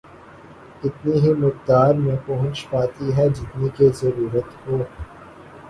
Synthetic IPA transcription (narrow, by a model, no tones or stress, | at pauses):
ɪt̪niɦimʊk̚d̪aːɾmẽpɐɦʊ̃t͡ʃpaːt̪iɦɛd͡ʒɪt̪nikezɐɾuːɾət̪hoː